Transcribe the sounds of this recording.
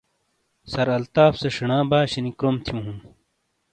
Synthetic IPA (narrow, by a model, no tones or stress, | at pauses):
sɐɾɐlt̪aːfseʂiɳãːbaːɕinikɾomt̪ʰjũːɦũː